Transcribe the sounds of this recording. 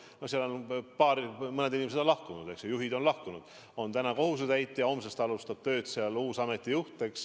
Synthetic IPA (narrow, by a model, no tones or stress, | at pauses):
noseɑlonpɑːɾmɤned̪inʲimese̞d̪onlɑhkunud̪̥e̞ksejuɦid̪o̞nlɑhkunud̪̥ | o̞nt̪ænɑko̞ɦus̬ed̪æjt̪ːˑjɑo̞msest̪ɑlust̪ɑb̥̚t̪ø̞ːd̪̥seɑluːsɑme̞t̪ːˑijuht̪ˑeks